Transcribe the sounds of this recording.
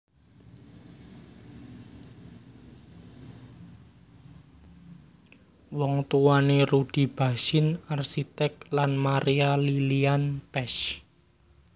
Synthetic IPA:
wɔŋt̪uwanerud̥i̤b̥a̤sɪnarsit̪ɛk̚lanmaɾialilianpɛs

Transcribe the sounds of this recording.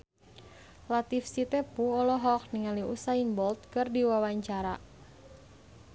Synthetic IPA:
lat̪ifsit̪ɛpuɔlɔɦɔk̚niŋaliusainbɔlt̪̚kɨrdiwawaɲt͡ʃaɾa

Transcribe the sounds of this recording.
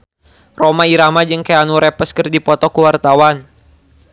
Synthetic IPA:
romaiɾamad͡ʒɨŋkɛanuɾɛpəskɨrdipɔt̪ɔkuwart̪awan

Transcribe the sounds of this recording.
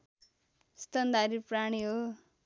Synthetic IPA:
st̪ənd̪aɾipɾaɳ̃io

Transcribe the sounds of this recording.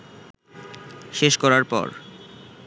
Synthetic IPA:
ʃeʃkɔɾaɾpɔ̰ɾ

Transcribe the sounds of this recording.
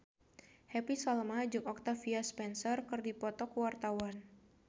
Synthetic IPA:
hɛpisɔlmad͡ʒʊŋɔk̚t̪afiaspɛnsɔrkɨrdipɔt̪ɔkuwart̪awan

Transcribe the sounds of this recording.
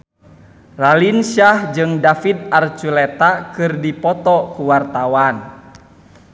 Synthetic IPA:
ralinʃahd͡ʒɨŋdafid̪art͡ʃulɛt̪akɨrdipɔt̪ɔkuwart̪awan

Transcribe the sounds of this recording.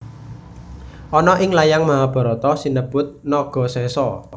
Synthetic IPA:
ʔɔnɔʔɪŋlajaŋmaɦab̥ɔ̤ɾɔt̪ɔsinəb̥ʊ̤t̪̚nɔɡ̥ɔ̤sɛsɔ

